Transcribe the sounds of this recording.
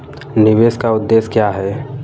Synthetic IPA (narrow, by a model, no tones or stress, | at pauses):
nɪʋeːskaʊd̪ːeːskjaːɦɛ